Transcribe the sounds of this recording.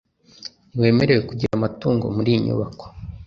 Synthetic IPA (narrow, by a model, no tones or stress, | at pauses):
we̞ːme̞ɾe̞we̞kuɟiɾamatuːŋɡo̞̰muɾiɲṵβako̥